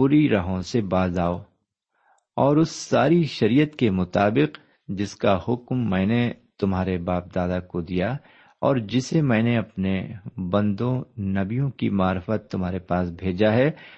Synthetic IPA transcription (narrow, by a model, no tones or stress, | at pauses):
puːɾiɾɐɦõsebaːzaːoː | ɔːɾʊsːaːɾiʃɐɾijət̪kemʊt̪aːbɪq | d͡ʒɪskahʊkmːɛ̃ːnet̪ʊmɦaːɾebaːp̚d̪aːd̪akod̪ija | ɔːɾd͡ʒɪsemɛ̃ːneɐpnebɐ̃nd̪õnɐbijõkimaːɾfət̪ːʊmɦaːɾepaːsbʱeːd͡ʒaɦɛː